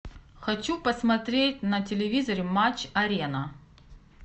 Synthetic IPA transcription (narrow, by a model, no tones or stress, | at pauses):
xɐt͡ɕupəsmɐt̪ɾʲetʲnɐtʲɪlʲɪvʲizəɾʲɪmat͡ɕːɐɾʲenɐ